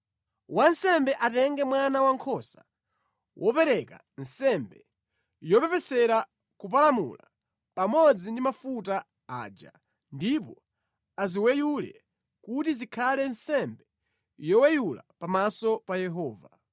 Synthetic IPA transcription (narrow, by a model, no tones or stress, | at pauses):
wansɛmbɛʔatɛŋɡɛmwanawaŋkʰɔsa | wʔɔpɛɾɛka̰ | n̩sɛmbɛ | jɔpɛpɛsɛɾa | kup̬alamṵla | pamɔd͡zindimafuta | a̰ːd͡ʒa̰ | ndip̬ɔ | aziwɛjulɛ̰ | kutizikʰalɛnsɛmbɛ | jɔwɛjula̰pamasɔpajɛɦɔːva